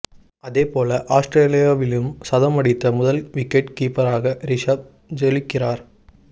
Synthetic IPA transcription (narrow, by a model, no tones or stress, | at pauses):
ɐðeːpoːlɐʔaːsʈɾeːlijaːʋɪlɯmsɐðɐmɐɽɪt̪ːɐmʊðɐlʋɪkːɛʈkiːpɐɾaːɣɐɾɪʂab̚ | d͡ʒɛlɪkːɪraːɾ